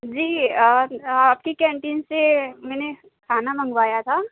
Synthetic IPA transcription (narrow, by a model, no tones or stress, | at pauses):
d͡ʒiː | aːp̚kikɛ̃ːɳʈiːnsemɛːne | kʰaːnamɐ̃ŋɡʋaːjat̪ʰaː